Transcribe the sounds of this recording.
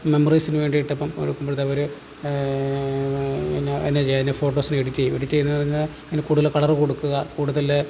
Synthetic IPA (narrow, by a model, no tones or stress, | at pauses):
memoriːsinɨʋe̞ːɳɖijiʈːɐpːɐmkoɽukːumboɽt̪ɐʋɐɾu | enːeenːet͡ɕejːaninefoːʈːoːsinɨeɽitːejueɽitːejenːɨpɐrɐɲːaɭ | enːekuːɽuðɐlekɐɭɐrɨko̞ɽukːuɣɐkuːɽuðɐl